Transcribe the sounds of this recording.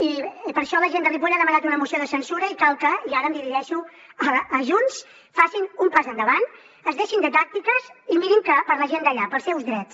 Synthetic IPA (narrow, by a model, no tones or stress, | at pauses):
ipəɾʃɔləʒend̪ərip̬uʎaðəmənat̪unəmusioðəsənsuɾəikalˠkəiaɾəmd̪iɾiʒɛʃu | əəʒuns | fasinumpazənd̪əβan | əzðeʃind̪ət̪ak̚t̪ikəzimiɾimkəpəɾləʒend̪əʎapəlˠsɛwzðɾɛt͡s